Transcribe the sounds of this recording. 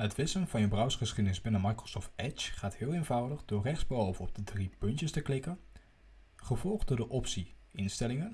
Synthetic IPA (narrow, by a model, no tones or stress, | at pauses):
ɦətʋɪsənvɑnjəbrʌwsχəsχidənɪzbɪnəmɑjkrosoːftɛt͡ʃχaːtɦɪːlˠejnvʌwdəχdʊːɹrɛχdz̥bəɔwvəɔb̚dədripɵntəstəklɪkən | χəvɔlˠχdʊːɹdəʔɔpsi | ɪnstɛlɪŋən